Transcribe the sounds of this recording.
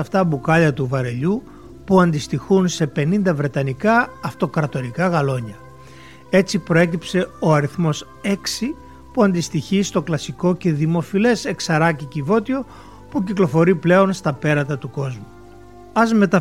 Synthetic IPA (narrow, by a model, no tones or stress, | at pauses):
ɐft̪ɐbukɐʎɐt̪uvɐɾe̞ʎu | puɐnd̪ist̪ixunse̞pe̞nind̪ɐvɾe̞t̪ɐnikɐːft̪o̞kɾɐt̪o̞ɾikɐɣɐlo̞ɲɐ | e̞t͡sipɾo̞e̞cipse̞o̞ɐɾiθmo̞s | e̞ksi | puɐnd̪ist̪içist̪o̞klɐsiko̞ce̞ðimo̞file̞se̞ksɐɾɐcicivo̞t̪io̞ | puciklo̞fo̞ɾiple̞o̞nst̪ɐpe̞ɾɐt̪ɐt̪uko̞zmu | ɐzme̞t̪ɐ